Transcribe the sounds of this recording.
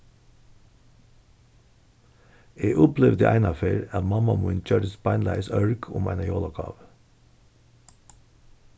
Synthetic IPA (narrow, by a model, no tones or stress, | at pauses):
eːʔʊpleʋd̪ə̰ʔæɪnɑfeːɾɑt̪mɑmɑmʉnc͡çøːɾəspɑɪnlæ̰ɪsœɹkʰʊ̰mæ̰ɪnɑjoːlɑkʰɑ̰ːʋ